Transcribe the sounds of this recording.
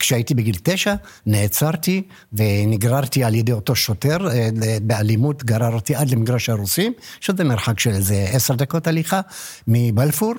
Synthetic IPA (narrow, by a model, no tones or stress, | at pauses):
kʃeait̪ibeɡilteʃaneːt͡saʁt̪i | veniɡʁaʁt̪ialjedejoto̞ʃote̞ʁebealimut̪ɡaɾaɾot̪iʔad̪lemiɡɾaʃaɾusimʃezemeɾħakʃelzeeseʁd̪ako̞taliχamibalfuɾ